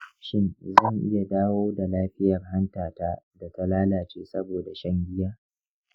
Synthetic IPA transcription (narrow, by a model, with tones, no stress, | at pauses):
ʃɪ˦nzɐ˦˨ŋʔɪ̰˦ja˨daː˦woː˦da˨laː˦ɸɪ˦jɐ˨rɦa˦ntaː˨taː˦da˨ta˦laː˦laː˨t͡ʃeː˦sɐ˦boː˨da˨ʃɐ˦ŋɡʲɪ˦jaː˦